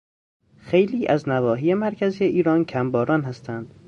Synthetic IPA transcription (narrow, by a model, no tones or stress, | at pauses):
xejliːʔæznævɒːɦiːjemæɾcʰæzijeʔiːɾɒːncʰæmbɒːɾɒːnhæst̪ʰænd̪̥